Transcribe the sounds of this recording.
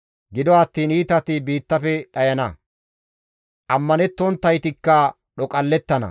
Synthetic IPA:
ɡɪd̪ɔɐt̪ːiːniːt̪ɐt̪ɪbiːt̪ːɐfɛɗɐjɐnɐ | ʔɐmːɐnɛt̪ːɔnt̪ːɐjt̪ɪkːɐ | ɗɔkʼɐlːɛt̪ːɐnɐ̰

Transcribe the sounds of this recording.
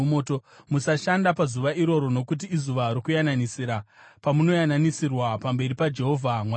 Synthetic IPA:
motomusaʃandapazuʋaiɾo̞ɾo̞no̞kut̬iːzuʋaiɾikujananisiɾapamuno̞jananisirwapambe̞ɾipad͡ʒe̞ɦo̞vʱamwa

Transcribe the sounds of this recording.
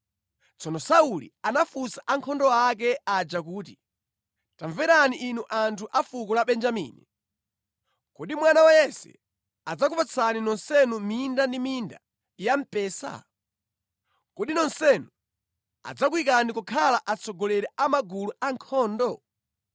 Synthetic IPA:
t͡sʰɔnɔsaulḭanafusaʔaŋkʰɔndɔak̬ɛad͡ʒakuːti | taɱvɛɾaniʔːnuʔantʰuʔafukɔlaɓɛnd͡ʒamḭːni | kuɗimwanawajɛsɛ̰ | ad͡zak̬upat͡sʰaninɔnsɛnumindandiminda̰ | jam̩pɛːsa̰ | kuɗinɔnsɛnu | a̰d͡zak̬wik̬anikukʰalaʔat͡sʰɔɡɔlɛɾɛʔamaɡuluaŋkʰɔːndɔ

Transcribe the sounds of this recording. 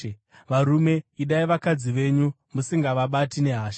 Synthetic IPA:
ʋaɾume̞iɗaiʋakad͡ziʋe̞ɲu | musiŋɡaʋaɓatine̞ɦaːʃḁ

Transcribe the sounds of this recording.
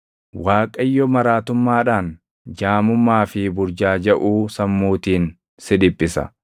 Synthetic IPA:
waːkʼɐjːɔmɐɾaːt̪ʊmːaːᶑaːn | d͡ʒaːmʊmːaːfɪbʊɾd͡ʒaːd͡ʒɐʔuːsɐmːuːt̪iːn | sɪdɪpʼːɪsɐ̰

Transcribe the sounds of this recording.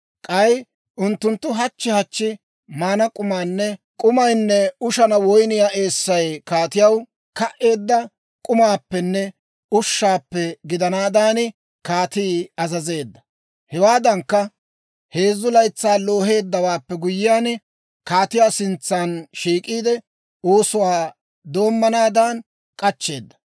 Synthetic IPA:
kʼɐj | ʔʊnt̪ːʊnt̪ːʊɦɐt͡ʃːɪhɐt͡ʃːɪ | maːnɐkʼʊmaːnːɛ | kʼʊmɐjnːɛʊʃɐnɐwɔjnɪjaːʔe̞ːsːɐjkaːt̪ɪjɐw | kɐʔe̞ːd̪ːɐ | kʼʊmaːpːɛnːɛ | ʊʃːaːpːɛɡɪd̪ɐnaːd̪aːnɪ | kaːt̪iːɐzɐze̞ːd̪ːɐ̥ | hɛwaːd̪ɐŋkːɐ | he̞ːzːʊlɐjt͡sːaːlo̞ːɦe̞ːd̪ːɐwaːpːɛɡʊjɪjaːnɪ | kaːt̪ɪjaːsɪnt͡sːanʃiːkʼiːd̪ɛ | oːsʊwaː | d̪o̞ːmːɐnaːd̪aːn | kʼɐt͡ʃːe̞ːd̪ːɐ̥

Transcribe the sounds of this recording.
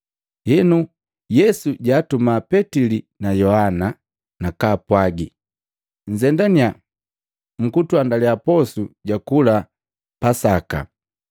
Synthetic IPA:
hinu | jɛsuɟaːtumapɛtili | najɔhana | nakaːpwaɡi | ɲ̩d͡ʒɛndania | m̩kutwandaliapɔsuɟakula | pasaka̰

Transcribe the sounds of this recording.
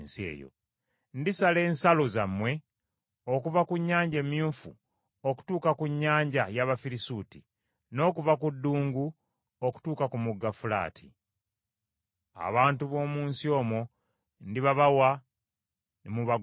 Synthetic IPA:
nsiḛːjo̰ | ndisale̞ːnsalo̞zamwe̞ | okuvakuɲːaːɲɟeːmijuːɱfṵ | oku̥tuːkakuɲːaːɲɟajaβafiɾisuːti | no̞ːkuvakudːuːŋɡu | oku̥tuːkakumuɡːafula̰ːtʰḭ | a̰βaːntuβo̞ːmuːnsio̞ːmo | ndiβaβawa | nemuβa

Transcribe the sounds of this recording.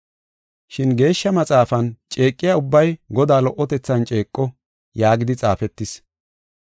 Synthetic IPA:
ʃɪnɡe̞ːʃːɐmɐt͡sʼaːfɐnt͡ʃʼe̞ːkʼːɪjaʊbːɐjɡɔd̪aːlɔʔːɔt̪ɛt͡sːɐnt͡ʃʼe̞ːkʼːɔ | jaːɡɪd̪ɪt͡sʼaːfɛt̪ːɪs

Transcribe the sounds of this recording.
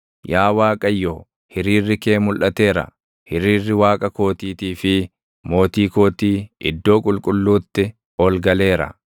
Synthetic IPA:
jaːwaːkʼɐjːoː | hɪɾiːrːɪke̞ːmʊlʔɐt̪e̞ːɾɐ̰ | hɪɾiːrːɪwaːkʼɐko̞ːt̪iːt̪iːfɪ | mo̞ːt̪iːko̞ːt̪iːʔɪ̰d̪ːo̞ːkʼʊlkʼʊlːuːt̪ːɪ | ɔlɡɐle̞ːɾɐ̰

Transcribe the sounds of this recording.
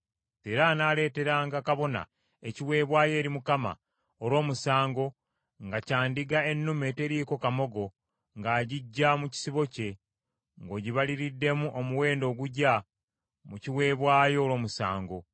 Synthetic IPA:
te̞ːɾanaːle̞ːte̞ɾaːŋɡakaβo̞na̰ | eciwe̞ːβwaːje̞ːɾimukama̰ | oɾwo̞ːmusaːŋɡo̞ | ŋɡacaːndiɡae̞nːumete̞ɾiːko̞kamo̞ɡo̞ | ŋɡaːɟiɟːamuci̥siβo̞ce̞ | ŋɡo̞ːɟiβaliɾidːe̞muʔomuwe̞ːndo̞ːɡuɟa | muciwe̞ːβwaːjo̞ːlo̞ːmusa̰ːŋɡo̞

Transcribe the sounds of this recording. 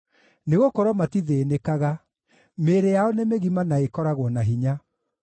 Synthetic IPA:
neɣokɔɾwɔmatiðeːnekaɣa | meɾejaɔnemeɣimanaekɔɾaɣwɔnaɦiɲa

